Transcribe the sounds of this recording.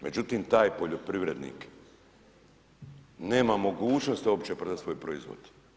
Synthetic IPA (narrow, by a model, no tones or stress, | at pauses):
mʔe̞d͡ʑut̪iːmt̪aːjpo̞ʎo̞pɾiʋɾe̞d̪nḭːk | ne̞ːmamo̞ɡuːt͡ʃnost̪o̞pt͡ɕepɾod̪at̪sʋo̞jpɾoizʋo̰d̪̥